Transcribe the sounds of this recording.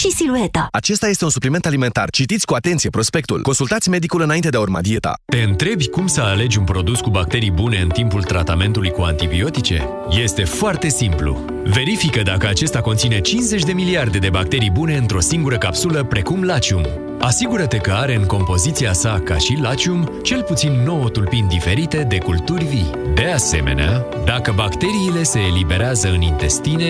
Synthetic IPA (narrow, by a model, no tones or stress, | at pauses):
ʃisiluet̪aat͡ʃe̞st̪aje̞st̪e̞unsuplime̞nt̪alime̞nt̪a̰rt͡ʃit̪it̪sʲkuat̪e̞nt̪sije̞pɾo̞spe̞k̚t̪ṵlko̞nsult̪at̪sʲme̞d̪ikulɨnaint̪e̞d̪eurma̰d̪ie̞t̪a̰t̪e̞ɨnt̪ɾe̞bʲkumsəale̞d͡ʒʲunpɾo̞d̪uskubak̚t̪e̞ɾijbune̞ɨnt̪impult̪ɾat̪ame̞nt̪ulujkuant̪ibio̞t̪it͡ʃe̞̰ | je̞st̪e̞foart̪e̞simplṵ | ve̞ɾifikəd̪akəat͡ʃe̞st̪ako̞nt̪sine̞t͡ʃinze̞t͡ʃʲd̪e̞miliard̪e̞d̪e̞bak̚t̪e̞ɾijbune̞ɨnt̪ɾo̞siŋɡuɾəkapsuləpɾe̞kumlat͡ʃium | asiɡuɾət̪e̞kəaɾe̞ɨŋko̞mpo̞zit̪siasaka̰ʃilat͡ʃiumt͡ʃe̞lput̪sinːo̞wot̪ulpind̪ife̞ɾit̪e̞d̪e̞kult̪urʲvi | d̪e̞ase̞̰me̞̰nea | d̪akəbakt̪e̞ɾiːle̞se̞ːlibe̞ɾeazəɨnint̪e̞st̪ine